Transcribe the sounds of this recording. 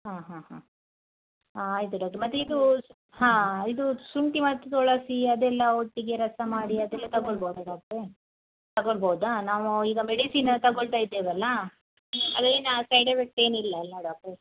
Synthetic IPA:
ɦãːɦãːɦã | aːjt̪̬uɖaːk̚ʈɐmɐt̪ːeid̪u | hãːid̪usuɳʈimɐt̪ːut̪ɔɭɐsiɐd̪ɛlːɐoʈːiɡeɾɐsɐmaːɽiɐd̪ɛlːɐt̪ɐɡoɭboːd̪aɖaːk̚e | t̪ɐɡoɭboːd̪anaːʋuiːɡɐmeɽisiːnt̪ɐɡoɭt̪aːjid̪ːeːʋɐlːɐ | ɐ̰d̪ɐeːnasɐjɖɐpek̚ʈe̞ːnilːɐɐlːaɖaːk̚ʈɐ

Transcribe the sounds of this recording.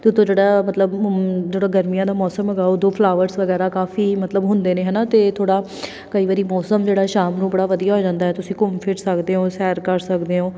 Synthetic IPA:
t̪eʊt̪ʰːõːd͡ʒeːɽaːmət̪ləbd͡ʒeːɽaːɡəɾmijãːd̪aːmɔːsəməɡaːod̪õːpʰlaːʋəɾsʋəɡɛːɾaːkaːfiːmət̪ləbɦʊnd̪eːneːɦɛːnaːt̪eːt̪ʰoːɽaː | kəiːʋaːɾiːmɔːsəmd͡ʒeːɽaːʃaːmnũːbəɽaːʋəd̪ijaːɦoːd͡ʒãːnd̪aːɛːt̪ʊsĩːkʊmpʰɪʈsəkd̪eːɦõːsɛːɾkəɾsəkd̪eːõː

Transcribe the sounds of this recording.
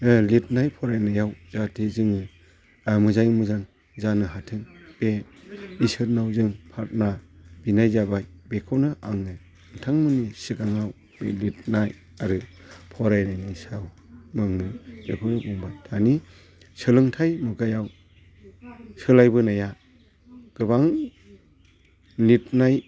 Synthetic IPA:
lit̚najpʰɔɾajnajawzatʰezɯŋɯ | mɯzajmɯzaŋ | zanɯɦatʰɯŋb̥e | isɯɾnawzɯŋpʰat̚nab̥inajzabajbekʰɔwnɯʔa̰ŋɯj | ntʰaŋmɯnisiɡaŋaw | b̥ḛlit̚naj | aɾɯ | pʰɔɾajnajnisaw | mɯŋnɯbepʰɯnɯɡɔŋbatʰani | sɯlɯŋtʰajmuɡajaw | sɯlajbɯnaja | ɡ̥ɯbaŋ | lit̚naj

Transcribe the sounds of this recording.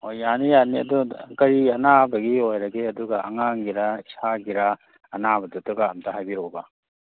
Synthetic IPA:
ojːanijaniɐ̰dukɐɾiɐnabɐɡiojɾɐɡeɐduɡɐʔɐ̰ŋaŋɡiɾaisaɡiɾa | ɐnabɐdutuɡaɐmtʰaɦajbiɾobɐ

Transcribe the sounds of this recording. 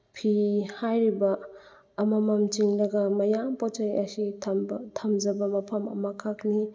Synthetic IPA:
pʰihajɾibɐː | mamamt͡ʃiŋlɐɡɐmɐjampɔt͡ʃajɐsitʰamd͡ʒɐbɐmɐpʰɐmɐ̰mɐkʰakni

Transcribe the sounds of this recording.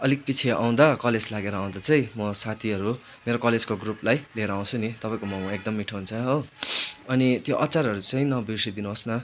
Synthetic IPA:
ʌlik̚pit͡sʰeʔa̰w̃d̪akʌled͡zlaɡeɾʌːw̃d̪at͡sʌĩmʌsat̪ʰiʌɾu | meɾokʌled͡zkoɡruplajleɾʌːw̃t͡sʰunit̪ʌpãĩj̃komʌw̃ek̚d̪ʌmːiʈʰʌɦunt͡sʰʌɦowʌnit̪joʔʌt͡saɾɦʌɾut͡sʌ̃ĩnʌbisid̪inuɦʌsna

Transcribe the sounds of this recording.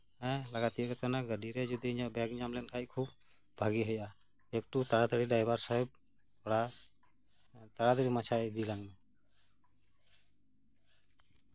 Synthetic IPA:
ɛlaɡat̪ijəkɛt̪anaɡəɖiɾɛd͡ʒud̪iɲaʔbɛɡɲamlɛnkʰajkʰub | bʱaɡiɦəja | ek̚ʈut̪aɽad̪əɽiɖajbaɾsaɦɛb̚ | ɽa | t̪aɽad̪əɽimat͡ʃʰajd̪ilaŋmɛ

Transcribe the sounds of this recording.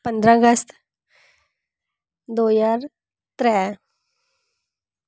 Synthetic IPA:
pənd̪ɾãɡəst̪ | d̪ojaɾ | t̪ɾɛ

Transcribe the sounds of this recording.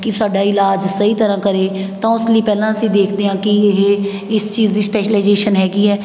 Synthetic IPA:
kɪsʊaːɖaːɪlaːd͡ʒsəiːt̪əɾãːkəɾeːt̪ãːʊsliːpɛːlãːəsĩːd̪eːkʰd̪eːãːkɪɦeː | ɪst͡ʃiːzd̪iːspɛːʃəlaɪzeːʃənɦɛːɡiːɦɛː

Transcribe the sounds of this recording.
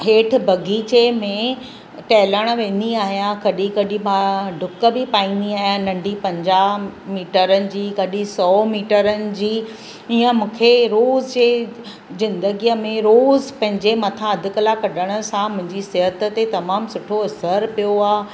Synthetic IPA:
ɦeːʈʰɪ̆bʱɐɡiːt͡ɕemẽ | ʈɛːləɽ̃̆ʋẽːn̆d̪iaːɦijãkɐɗikɐɗĩmãɖʱʊkə̆bipaːĩːn̆d̪iaːɦijãnɐ̃ɳɖʱipɐ̃ɲd͡ʑaːɦmiːʈəɾənɪ̆d͡ʑiːkɐɗĩsɔːmiːʈəɾənɪ̆d͡ʑiː | ijə̃mũːkʰeɾoːzd͡ʑeː | zɪ̃nd̪əɡijəmẽɾoːzpɐ̃ɦɪ̃ɲd͡ʑemɐt̪ʰãɐd̪ʱʊ̆kəlakɐɗəɽ̃ə̆sãmʊ̃ɦɪ̃ɲd͡ʑisɪɦət̪ə̆t̪et̪ɐmaːmsʊʈʰoɐsəɾpijoaː

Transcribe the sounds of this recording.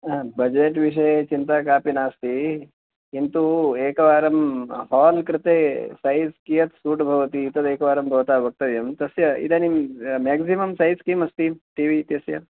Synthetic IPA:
bɐd͡ʒeʈʋiʂ̬ɐjet͡ʃint̪aːkaːpinaːst̪i | int̪ueːkɐʋaːɾɐmɦaːlkɾɪt̪eːsɐɦiskijɐt̪suːʈbʱɐʋɐt̪iːt̪ɐt̪eːkɐʋaːɾɐmbʱɐʋt̪aːbɐk̚t̪ɐʋjɐmt̪ɐsjɐḭd̪ɐnimeːksimɐmsɐɦjskiːmɐst̪imʈiːʋit̪jɐsjɐ

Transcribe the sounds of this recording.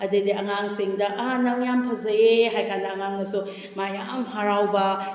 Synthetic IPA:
ɐdediʔɐŋaŋsiŋdɐʔːnɐŋjampʰɐzɐeɦajkʰandɐːŋaŋnɐsu | majaŋaŋhaɾawbɐ

